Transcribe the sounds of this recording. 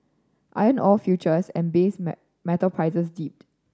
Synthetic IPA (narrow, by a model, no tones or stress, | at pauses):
ʔa̰ɪə̃nɔlfjut͡ʃəsɛ̰̃nbes | mɛtəlpʰɹaɪsəsdip̚t